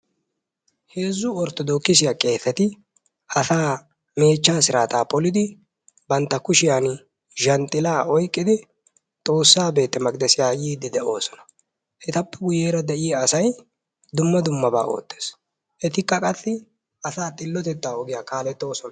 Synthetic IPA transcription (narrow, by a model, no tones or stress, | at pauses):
he̞ːzːʊɔɾt̪ɔd̪oːkːɪsɪjakʼe̞ːθɛt̪ɪ | ɐsaː | me̞ːt͡ʃːaːsɪɾaːt̪aːpɔlɪd̪ɪ | bɐnt̪ːɐkʊʃɪjan | ʒɐnt̪ʼɪlaːɔjkʼːɪd̪ɪ | t̪ʼo̞ːsːaːbe̞ːt̪ːɛmɐɡʼd̪ɛsɪjaːjiːd̪ɪd̪ɛo̞ːsɔ̥nɐ̥ | ʔɛt̪ɐpːɛɡʊje̞ːɾɐd̪ɛʔɪjɐːsɐj | d̪ʊmːɐd̪ʊmːɐba̰ːʔo̞̰ːt̪ːe̞̥ːs | ʔɛt̪ɪkːɐkʼɐsːɪ | ʔɐsaːt̪ʼɪlːɔt̪ɛt̪ːaːɔɡɪjaːkaːlɛt̪ːo̞ːsɔnɐ